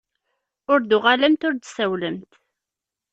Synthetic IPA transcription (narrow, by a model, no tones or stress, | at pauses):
ʊɾd̪uʁaləmt̪ʊɾd̪sæwləmt̪